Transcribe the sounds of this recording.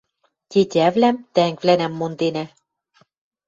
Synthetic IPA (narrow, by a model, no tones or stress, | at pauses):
tʲet̪ʲævlæmt̪æŋkvlænæmːond̪enæ